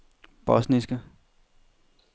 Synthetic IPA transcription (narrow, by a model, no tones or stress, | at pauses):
b̥ɔsnisɡ̥ɐ